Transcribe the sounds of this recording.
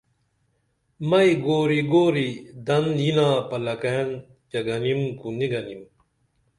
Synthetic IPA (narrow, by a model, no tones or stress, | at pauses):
mɐiɡoːɾiɡoːɾid̪ɐninãːpɐlɐken | t͡ɕɐɡɐnimkuniɡɐnim